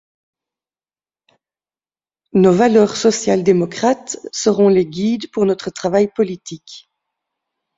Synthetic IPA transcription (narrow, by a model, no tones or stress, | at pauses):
novalœːʁsɔsjald̪emɔkχat̪səʁɔ̃leɡʲid̪puʁnɔt̪χət̪χavajpɔlit̪ik